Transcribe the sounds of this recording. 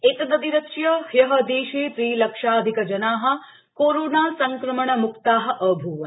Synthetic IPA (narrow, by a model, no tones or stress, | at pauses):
eknəd̪iɾɐkʃjəhjɐɦə̆d̪eːʃeːt̪ɾiːləkʃaəd̪ʱikəd͡ʒɐnaːɦɐ̆ | koɾonasəŋkɾəməɳəmʊkt̪aːɦ̆ʔəbʱuʋə